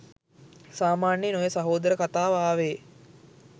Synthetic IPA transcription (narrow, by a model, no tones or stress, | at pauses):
saːmaːɳjenojesaɦoːd̪əɾəkat̪aːʋaːʋeː